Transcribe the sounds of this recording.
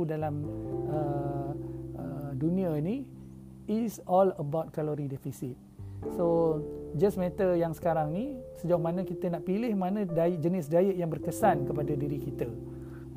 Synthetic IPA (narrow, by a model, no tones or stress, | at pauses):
udalamə | ədunĩəni | isɔləbawt̚kaloɾidɛfisit̪̚sod͡ʒəsmɛt̪əjaŋsə̥kaɾaŋnisəd͡ʒaamanəkit̪ənaʔpilɪhmanə̃daɪʔ̚d͡ʒənɪsdaəʔjaŋbərkəsankəpadadiɾikit̪ə